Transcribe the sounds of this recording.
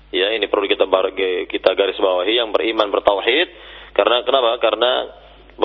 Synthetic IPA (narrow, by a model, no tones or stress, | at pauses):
jainipərɾuukit̪abaɡkit̪aɡaɾɪsbawaɦijaŋbərimanbərt̪awħɪt̪̚kaɾənakənapakaɾəna̰ | b